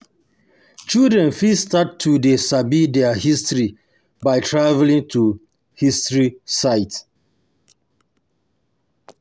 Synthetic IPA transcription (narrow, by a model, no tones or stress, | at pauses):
t͡ʃildɹɛ̃nfistattʰːudesabidɛahistɹi | baɪtʰɹavlĩŋtʰu | histɹisaɪt